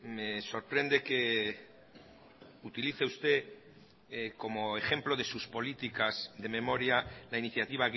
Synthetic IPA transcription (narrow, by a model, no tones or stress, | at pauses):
me̞so̞ɾpɾe̞nd̪e̞ke̞ | ut̪iliθeust̪e̞ | ko̞moexe̞mplo̞ðe̞suspo̞lit̪ikazðe̞me̞mo̞ɾjalainiθjat̪iβ̞aɣ